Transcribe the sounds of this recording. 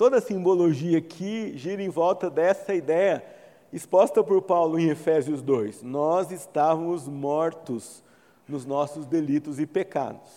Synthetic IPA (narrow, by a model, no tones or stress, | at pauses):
t̪od̪ɐsĩmboloʒiɐkʰɪʒiɾẽj̃vɔwt̪ɐd̪ɛsɐid̪ɛjɐ | ɪspɔst̪ɐpoɾpawlʊẽefɛziʊzd̪ojsnɔzɪst̪avɐmʊzmɔɾt̪ʊz | nʊznɔsʊzd̪elit̪ʊzɪpeka̰d̪ʊs